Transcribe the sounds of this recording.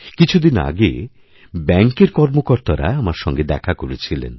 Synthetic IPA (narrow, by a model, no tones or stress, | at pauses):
kit͡ɕʰud̪ina̰ɡḛ | bɛŋkeɾkɔɾmokoɾt̪aɾa̰amaɾʃɔŋɡed̪ɛkʰakoɾet͡ɕʰilḛn